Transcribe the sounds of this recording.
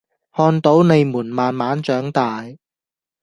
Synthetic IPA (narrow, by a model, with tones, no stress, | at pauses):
hɔː˧nt̪o˨˥wne˨˧jmuː˨˩nmaː˨nmaː˨˥nt͡ʃœː˨˥ŋt̪aː˨j